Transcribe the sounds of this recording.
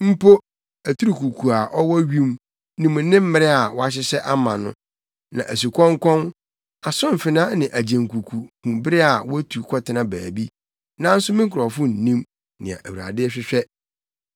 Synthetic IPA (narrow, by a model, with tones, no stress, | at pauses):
m̩˦pʰo˦ | æ˨tʰu˦ɾi˨kʰu˨kʰu˨a˨ʔɔ˦wɔ˦ɥĩ˦m | nɪ̃˨mʊ̃˨˦nɪ̃˦m̩˦mɪ˦ɾɪ˦a˨wɔ˦a˦ɕ̬ɪ˦sɛ˦ʔa˦mã˨nʊ̰̃˦ | nã̰˨ʔæ˨s̬u˨kʰɔ̃˦ŋkʰʷɔ̃˦n | a˨sʊ̃˦m̩˨fɪ˨nã˦nɪ̃˨ʔæ˨d͡ʑæ̃˨ŋ˨kʰu˨kʰu˨kʰũ˨mbɪ˦ɾɪ˦a˨wɔ˦æ˦tʰu˨kʰɔ˦tʰɪ˨˦nã˦bæː˨bi˦ | nã˦n̩˦sʊ˦mɪ̃˦ŋ̩˦kʰʊ˨ɾɔ˨fʊ̃˦n̩˨nĩ˦m | nɪ̰̃˨a̰˨ʔæ˨wu˨ɾa̰˨dɪ˦ɛ˦ɕᶣɪ˦ɕᶣɛ˦